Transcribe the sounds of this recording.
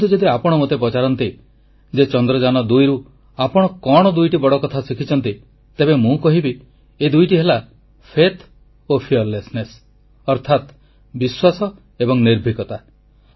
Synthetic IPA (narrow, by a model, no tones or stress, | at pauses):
t̪ud͡ʒɔd̪iapɔɽ̃ɔmot̪ep̬ɔt͡ʃaɾɔnt̪i | d͡ʒet͡ʃɔnd̪ɾɔd͡ʒanɔd̪ujɾu | apɔɽ̃ɔkɔɽ̃ɔd̪ujʈibɔɽɔkɔt̪ʰasikʰit͡ʃʰɔnt̪i | t̪ebemũkɔɦibi | ed̪ujʈiɦela | pʰet̪ʰ | opʰiɔɾlesnes | ɔɾt̪ʰat̪ | biswasɔ | ebɔŋniɾbʱikɔt̪a